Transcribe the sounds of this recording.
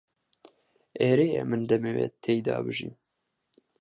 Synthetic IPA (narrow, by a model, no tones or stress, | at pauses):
eːɾeːjɛ̰mɨnd̪ɛmeːwḛt̪ʰeːjd̪ɑ̰ːbɨʒim